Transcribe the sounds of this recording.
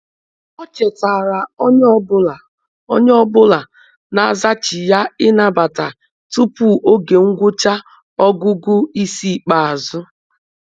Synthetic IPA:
o˦t͡ʃe˨ta˨ɾa˨o˦ɲ˦ɔ˦bʊ˦la˨ | o̰˦ɲ˦ɔ˦bʊ˦la˨ | na˨a˦za˦t͡ʃɪ˨ja˦ɪ˦na˦ba˨ta˨ | tu˦pu˦˨ʔo˦ɡe˨ŋ̩˦ɡʷʊ˦t͡ʃa˦ | ɔ˦ɡʊ˦ɡʊ˦i˦si˦˨k͡pa˨a˨zʊ˦

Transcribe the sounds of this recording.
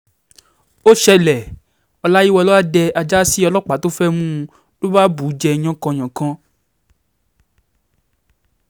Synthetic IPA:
o˦ʃɛ˧lɛ˨ | ɔ˧la˦ji˦wɔ˧lɔ˦a˦dɛ˧a˧d͡ʒa˦si˦ɔ˧lɔ˦k͡pa˨˦to˦fɛ˦mũ˦˧ | lo˦ba˦bu˨˦d͡ʒɛ˧˨ɲ̃ɔ̃˨˦kã˧˨ɲ̃ã˨kã˧˦

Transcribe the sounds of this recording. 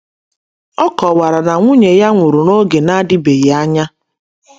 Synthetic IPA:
ɔ˦kɔ˨wa˨ɾa˨na˨ŋʷʊ˦ɲe˨ja˦ŋʷʊ˨ɾu˨no˦ɡe˨na˦dɪ˦be˨ɣe˨a˦ɲa˦

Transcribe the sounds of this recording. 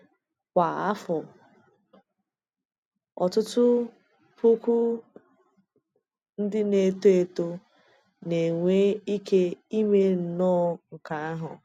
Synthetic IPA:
kʷa˨a˦fʊ˨ | ɔ̰˨tʊ˦tʊ˦ | pu˦kʷu˦ | n̩˦dɪ˦ne˨to˦e˨to˦ | ne˨ŋʷe˦i˦ke˦i˦me˦n̩˨nɔː˦ŋ̩˨ka˨a˦ɦʊ˨

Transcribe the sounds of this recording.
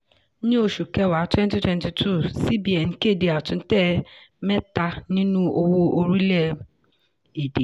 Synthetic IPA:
n̩˦ɲe˦o˨ʃu˨ke˦wa˨˦twɛ˦n˦ti˦twɛ˦nti˨tʰu˦˨si˦bi˨a˨ŋ̩˦ke˦˨di˨a˨tʊ˨n̩˦te˦me˦ta˦nĩ˦nu˦o˦wo˦ʔo˦ɾi˦le˦ | i˨di˨

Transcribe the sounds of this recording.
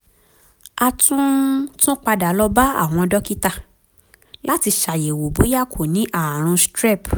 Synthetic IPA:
a˧tũ˦tũ˦k͡pa˧da˨˦lɔ˦ba˦a̰˦˨w̃ɔ̃˧dɔ˦ki˦ta˦˨ | la˦ti˧ʃa˨je˨wo˨bo˨˦ja˦˨kʰo˨nĩ˨˦ʔa˦˨ɾ̃ũ˧stɾɛ˦˨p

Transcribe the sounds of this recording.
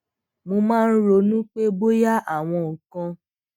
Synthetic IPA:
mo˧mãː˦˧n̩˦ɾo˧˦nũ˦k͡pe˦bo˦ja˦a˦˨w̃ɔ̃˧o˨kã˧

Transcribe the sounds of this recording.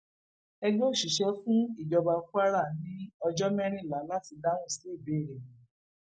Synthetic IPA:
ɛ˧ɡo˦˨ʃi˨ʃɛ˧˦fũ˦i˦˨d͡ʒɔ˧ba˧fu˦a˦ɾa˦˨nĩ˦ɔ˧d͡ʒɔ˦mɛ̃˦ɾ̃ĩ˦˨la˨˦la˦ti˧da˦ñũ˦˨si˨le˦˨be˨˦˨ɾe˨˦˨

